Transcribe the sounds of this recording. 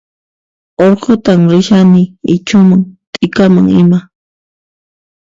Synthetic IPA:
oɾqot̪amɾɪʃanɪɪt͡ʃʊmaŋt̪ʼɪkamaŋɪma

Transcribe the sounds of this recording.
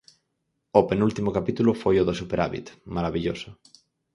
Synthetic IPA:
openult̪imokapit̪ulʊfojoðosupeɾaβḭt̪maɾaβiʎoso

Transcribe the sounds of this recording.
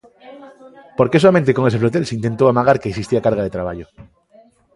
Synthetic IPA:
poɾke̞soamẽnt̪̬eko̞ŋe̞seflot̪̬elseint̪e̞nt̪oamaɣ̞aɾkeːksist̪iakaɾɣað̞e̞t̪ɾaβaʝo

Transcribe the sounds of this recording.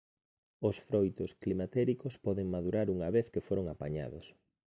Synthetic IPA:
osfɾojt̪ʊsklimat̪ɛɾikospɔðeŋmaðuɾaɾuŋɐβeθkefoɾoŋapaɲa̰ðos

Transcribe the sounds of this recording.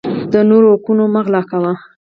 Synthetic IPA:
d̪ənoɾoakunomaɣlɑkawa

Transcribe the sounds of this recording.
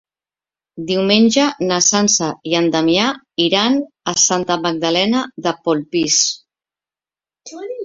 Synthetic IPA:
d̪iwmeɲʲʒanasansaiand̪amja | iɾan | asant̪amaɡ̚d̪alɛnaðəpolpis

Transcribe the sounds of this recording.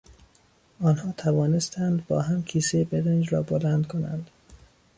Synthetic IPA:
ɒːnhɒːt̪ʰævɒːne̞st̪ʰænd̪bɒːɦæmcʰiːsejebeɾend͡ʒɾɒːbolænd̪kʰonæ̰nd̪̥

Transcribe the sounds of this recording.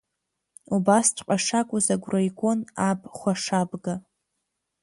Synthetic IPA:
ubastʰʷʼqʷʼaʂakʷʼʊzaɡʷrajɡʷonabʼχʷaʂabɡa

